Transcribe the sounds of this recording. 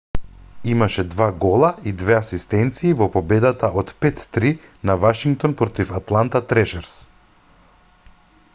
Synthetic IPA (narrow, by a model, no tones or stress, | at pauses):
imaʃɛd̪vaɡɔlˠaid̪vɛasist̪ɛnt̪siːvɔpɔbɛd̪at̪aʔot̪pɛt̪ːɾi | navaʃiŋk̚t̪ɔnpɾɔt̪ifat̪lˠant̪at̪ɾɛʃɛɾs